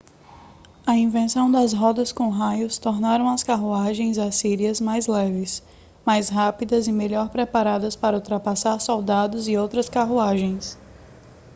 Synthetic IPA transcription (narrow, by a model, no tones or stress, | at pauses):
ɐĩvẽsɐ̃w̃d̪ɐzɦɔd̪ɐskõɦajʊst̪ɔɾnaɾɐ̃w̃ɐskaɦuaʒẽj̃zasiɾiɐzmajzlɛvɪs | majsɦapid̪ɐzɪmeʎɔɾpɾɛpaɾad̪ɐspaɾɐowt̪ɾɐpasaɾsɔwd̪ad̪ʊzɪowt̪ɾɐskaɦuaʒẽj̃s